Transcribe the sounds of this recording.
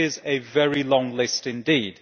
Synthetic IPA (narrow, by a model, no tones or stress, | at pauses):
ɪzɨvɛɹilɔ̃ŋlɪstɨ̃ndiːd̥